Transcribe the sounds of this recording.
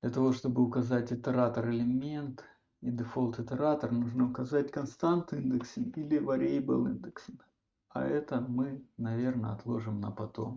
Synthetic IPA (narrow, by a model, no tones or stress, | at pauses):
d̪lʲɐt̪ɐvo̞ʂt̪o̞bɨʊkɐzatʲɪt̪əɾat̪ərɨlʲɪmʲe̞nt̪ | id̪ɨfo̞lˠt̪ɪt̪ʲɨɾat̪ərnuʐnəʊkɐzatʲkɐnst̪ant̪ɨnd̪ɨksʲɪnilʲɪvɐɾʲejbɨlˠɨ̰nd̪ɨksʲɨn | ɐ̰ɛt̪əmɨnɐvʲe̞rnə̰ɐt̪lˠo̞ʐɨmnəpɐt̪o̞̰m